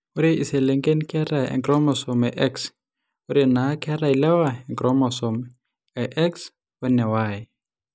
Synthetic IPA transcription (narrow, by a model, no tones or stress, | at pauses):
uɾiʔisɛlɛŋɡenikʰɛraɛ̰ŋkrɔmɔsɔmɛʔɛks | uɾinakʰɛɾailɛwaɛŋɡrɔmɔsɔm | ɛʔɛks | wɛnɛwaːjɛ